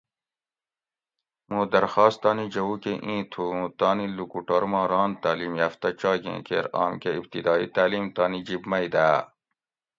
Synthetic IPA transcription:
mũːd̪ɐɾxɑːst̪ɑːnid͡ʑɐwukeʔĩːt̪ʰũt̪ɑːnilukuʈoɾmɑ̃ːɾɑːnt̪aːliːmjaft̪ɐt͡ɕɑːɡḛ̃ːkḛːɾɑ̰ːmkeib̚t̪id̪ɑːḭt̪aːliːmt̪ɑːnid͡ʑibmɐid̪aː

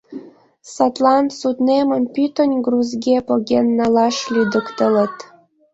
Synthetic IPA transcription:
sɑt̪lɑnt̪sut̪nemə̆npyt̪ə̆nʲɡruzɡʲepoɣʲenːɑlɑʃlʲyd̪əkt̪ə̆lə̆t̪

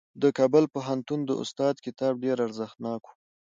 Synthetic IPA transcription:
d̪əkɑbəlpoɦant̪und̪ə̰ʔʊ̰st̪ɑd̪kɪt̪ɑb̚ɖeɾaɾzəxt̪nɑku̥

